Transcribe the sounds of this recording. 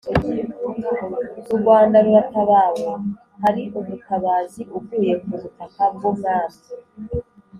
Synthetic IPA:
ɾuɡwaːndaɾuɾataβaːwa | haɾiʔuβutaβaːziʔub̚ɡiːje̞kuβutakab̚ɡomɡaːsi

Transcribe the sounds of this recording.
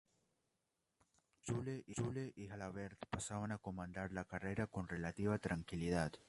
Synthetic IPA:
t͡ʃuleʔit͡ʃuleʔihalaβeɾt̪pasaβanakomãnd̪aɾlakareɾako̞nre̞lat̪iβat̪ɾaŋkiliðat̪

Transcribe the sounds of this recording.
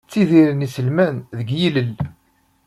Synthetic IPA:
t͡sːiðiɾənisəlmænðəɡjiləl

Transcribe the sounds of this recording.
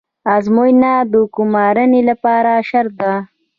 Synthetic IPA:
azmojnad̪əkʊmɑːɾənelapɑːɾaʃaɾt̪a

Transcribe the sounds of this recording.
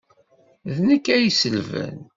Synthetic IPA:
ðnəkːæjisəlvæ̰n

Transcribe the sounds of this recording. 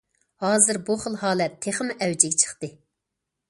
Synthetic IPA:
hɑːzɨɾbuχəlˠhɑːlɛt̪ʰːeχmʔɛwd͡ʒɪɡʲɛt͡ʃʰə̥χt̪ɨ

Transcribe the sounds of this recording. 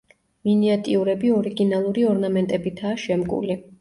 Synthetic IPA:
miniat̪ʼiuɾɛbiɔɾiɡinalˠuɾiɔɾnamɛnt̪ʼɛbit̪ʰaːʃɛmɡʼṵli

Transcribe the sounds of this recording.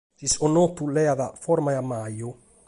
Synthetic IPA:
d͡ʒisonot̪ulɛaðafɔɾmajamajo

